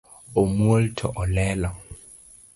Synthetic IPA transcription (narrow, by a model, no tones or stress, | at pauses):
omwoltʰɔ̰ʔɔlɛlɔ